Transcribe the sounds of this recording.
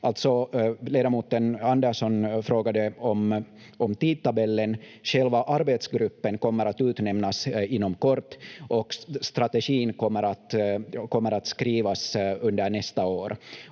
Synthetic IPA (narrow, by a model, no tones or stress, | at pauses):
ʔalt̪sɔleːd̪aɾmuːt̪ənand̪æʂɔnfɾoːɡad̪əɔm | ɔmt̪iːd̪̚t̪abɛlːən | ɕɛlvaʔaɾbeːt̪sɡɾɵpːənkɔmːəɾat̪ʉ̟ːt̪nɛmnasɪnːɔmkɔɾt̪ʔɔkst̪ɾat̪ɛʂiːnkʰɔmːəɾat̪kʰɔmːəɾat̪skɾiːʋasɵnd̪əɳɛst̪aoːɾ